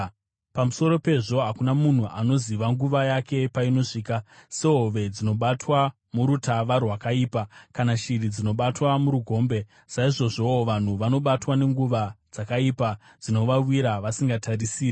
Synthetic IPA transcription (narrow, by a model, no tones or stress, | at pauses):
pamuso̞ɾo̞pe̞ʐo̞ɦakunamun̤uʔano̞ziʋaŋɡuʋajake̞paino̞ʂiːkaseɦoʋe̞d͡zino̞ɓatwa | muɾutaʋarwakaiːpakanaʃirid͡zino̞ɓatwamuɾuɡʱo̞ːmbe̞ | saiʐo̞ʐo̞ʋan̤uʋano̞ɓatwane̞ŋɡuʋad͡zakaipa | d͡zino̞ʋawiɾaʋasiŋɡatarisiːri